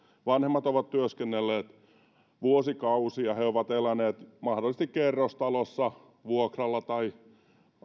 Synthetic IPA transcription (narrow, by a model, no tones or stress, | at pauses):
ʋɑnhemːɑt̪oʋɑt̪t̪yøskenːelːeːt̪ | ʋuosikɑusiɑheoʋɑt̪elæneːt̪mɑhdolːˑis̆t̪ikkerːost̪ɑlosːɑ | ʋuokrɑlːɑt̪ɑi